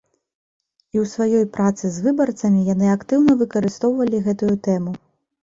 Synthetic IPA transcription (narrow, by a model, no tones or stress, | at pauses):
iwsvajɔjpɾʔat̪sɨzvɨbɐrt̪sɐmʲijan̪ɨakt̪ɨwnɐvɨkɐɾɨst̪ɔwvɐlʲiɣɛt̪ujut̪ɛmu